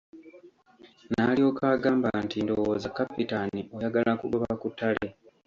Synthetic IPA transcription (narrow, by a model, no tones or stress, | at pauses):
nalio̞ːkaːɡaːmbantindo̞woːzakːapitanio̞jaɡalakṵβoβakutʰːale̞